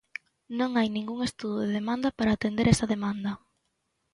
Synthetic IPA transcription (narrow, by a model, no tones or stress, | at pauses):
nõŋajnĩŋɡuŋest̪uðoðeðemand̪ɐpaɾaːt̪end̪eɾɛsɐðemand̪ɐ